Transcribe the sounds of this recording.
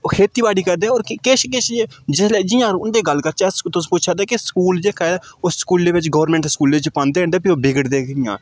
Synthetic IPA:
kʰeːt̪iːbaːɽiːkəɾd̪eːoːɾkkeːʃkeʃed͡ʒɪsleːd͡ʒɪjãːɾʊnd̪eːɡəlkəɾt͡ʃast̪ʊsput͡ʃʰaːd̪eːkeskuːld͡ʒeːkʰad̪ʊsskuːld̪eːʋɪt͡ʃɡəʋɾmẽːɳʈskuːld̪eːɪt͡ʃpãːnd̪eːɛ̃nd̪eːpioːbɪɡəɽd̪eːkɪjã̰ː

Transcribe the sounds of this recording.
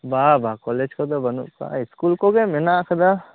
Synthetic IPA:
babakɔled͡ʒkod̪obɐnṵka̰ɪskulkoɡemenakʰəd̪a

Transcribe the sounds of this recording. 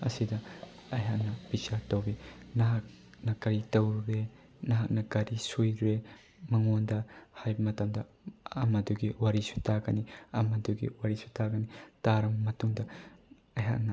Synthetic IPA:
ɐ̰sidɐɐjɦak̚nɐbit͡ʃatɐwbinɐɦak̚ | nɐkɐɾitɐwɾɾe | nɐɦak̚nɐkɐɾisujɾɾe | mɐŋondɐhajbɐmɐtɐmdɐ | ɐ̰mɐduɡiwaɾisu̥tʰaɡɐniɐmɐduɡḭwaɾisu̥tʰaɡɐnitaɾɐmɐtuŋdɐ | ɐjɦa̰k̚nɐ

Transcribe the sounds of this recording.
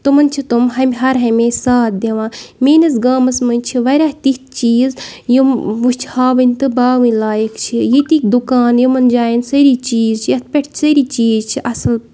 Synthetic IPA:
t̪umɐnt͡ʃʰit̪umɦɐmʲɦɐɾɦɐmʲẽːsaːt̪̚d̪ʲeʋãːmeːnɐs̬ɡaːmɐsmɐnʲt͡ʃʰiʋɐɾʲaːht̪ikt͡ʃiːzjimʋust͡ʃʰhaːʋɐnʲt̪ɨbaːʋɨ̃nlaːjekt͡ʃʰijit̪ikd̪ukaːnjimɐnd͡ʒaːjinsɐɾit͡ʃiːzt͡ʃʰijɐt̪̚ʰpʲeʈʰsɐɾiːt͡ʃiːzt͡ʃʰiʔɐsɨl

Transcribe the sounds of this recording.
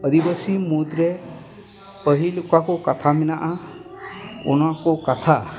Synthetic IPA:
əd̪ibəsimut̪ɾe | pəɦilukakɔkat̪ʰamɛnaʔa | ɔ̰nakɔkat̪ʰa

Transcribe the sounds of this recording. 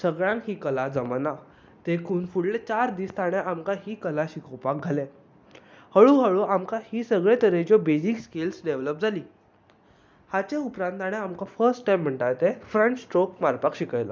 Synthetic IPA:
səɡɭjãŋkɦiːkəlad͡zəmana | t̪ekʰuːnfuɽlet͡ɕaɾd̪iːst̪aɽ̃eʔamkaɦiːkəlaɕikɔpak̚ɡʱale | həɭũɦəɭuamkahiːsəɡɭẽt̪əɾẽd͡ʑjɔbed͡ʑikskilsɖeʋləp̚d͡zʱaliː | hat͡ɕeupɾãnt̪aɽ̃eamkafəɾsʈʈajm̤ːəɳʈajt̪efɾənt͡ɕsʈɾokmaɾpakɕikəjla̰

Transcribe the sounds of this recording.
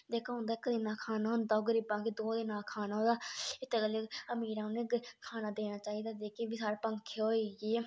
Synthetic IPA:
d̪eːkʰaʊ̃nd̪akəd̪ɪːnaːkʰaːnaːɦʊnd̪aoɡəɾibãːkiːd̪oːd̪ɪnãːkʰaːnaːoːd̪aːɪt̪ekəleəmiːɾãneːɡkʰaːnaːd̪eːnaːt͡ʃaːiːd̪aːd̪eːkeːʋisaːɾpəŋkʰeoːiːɡe

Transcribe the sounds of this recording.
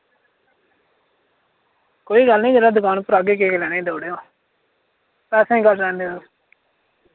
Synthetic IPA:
koːiːɡəlnĩːd͡ʒəɾaːd̪ʊkaːnpəɾaɡeːkeːklɛːneĩːd̪oːɽeːoː | t̪asẽːɡəld͡ʒãːnd̪eːoː

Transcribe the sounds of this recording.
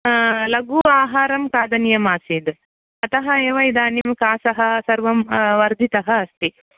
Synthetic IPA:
lɐɡuːaːɦaːɾɐmkaːd̪ɐnijɐmaːsid̪ | ɐt̪ɐɦɐeːʋɐjd̪aːnimkaːsɐɦɐ̆sɐɾʋɐmʋɐɾd̪ʱit̪ɐɦɐɐst̪i

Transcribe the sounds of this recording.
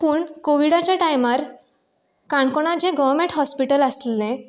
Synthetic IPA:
puːɳkoʋiɽat͡ɕjaʈajmaɾ | kãɳkoɽ̃ad͡ʑẽɡəʋmẽɳʈɦɔspiʈələsllẽ

